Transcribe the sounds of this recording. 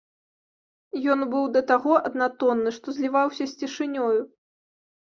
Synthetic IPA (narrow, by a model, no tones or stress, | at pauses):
jɔnbɨwd̪ɐt̪aɣɔʔɐd̪nat̪ɔnːɨʂt̪ɔzʲlʲivawsʲɐsʲt͡sʲiʂɨnʲɔju